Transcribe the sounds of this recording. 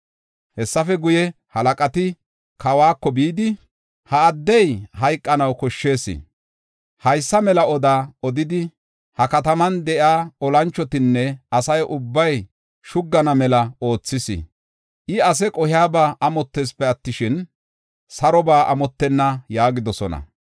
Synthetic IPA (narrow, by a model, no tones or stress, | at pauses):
hɛsːɐfɛɡʊjɛ | hɐlɐkʼɐt̪ɪ | kɐwaːkːɔbiːd̪ɪ | hɐːd̪ːɛjhɐjkʼːɐnɐwkɔʃːe̞ːsɪ̰ | hɐjsːɐmɛlɐɔd̪aːɔd̪ɪd̪ɪ | hɐkɐt̪ɐmɐnd̪ɛʔjaːɔlɐnt͡ʃːɔt̪ɪnːɛɐsɐjʔʊbːɐj | ʃʊɡːɐnɐmɛlɐo̞ːt͡sːɪsɪ̰ | ʔɪɐs̬ɛkʼɔhɪaːbaːʔɐmɔt̪ːeːspɛɐt̪ːɪʃɪn | sɐɾɔbaːʔɐmɔt̪ːɛnːɐjaːɡɪd̪ɔsɔ̰nɐ̰